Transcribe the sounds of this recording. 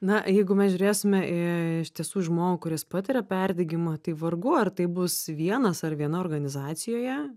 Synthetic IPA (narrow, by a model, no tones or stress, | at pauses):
nɐjɛɪɡʊmʲɛsʒʲʊɾʲeːsʲɪmʲɛʔɪɪʃʲt̪ʲiɛsuːʒmoːɡukʊɾʲɪspɐt̪ʲɪɾʲɛpʲɛrʲd̪ʲɛɡʲɪmɐt̪ɐɪʋɐrɡʊɐrt̪ɐɪbʊsʋʲiɛnɐsɐrʋʲiɛnɐoːrɡɐnʲɪzɑːt̪sʲɪjoːjɛ